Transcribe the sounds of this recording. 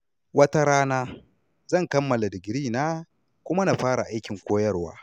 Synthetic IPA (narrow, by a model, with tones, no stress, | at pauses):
wɐ˦ta˦ɾaː˦naː˦ | zɐ˦˨ŋkɐ˦mːɐ˨la˨dɪ˨ɡʲɾiː˦naː˦ | kʷʊ˦ma˦naː˨ɸaː˦ɽa˨ʔa˦jkʲɪ˨ŋkʷoː˦jɐ˦rwa̰ː˦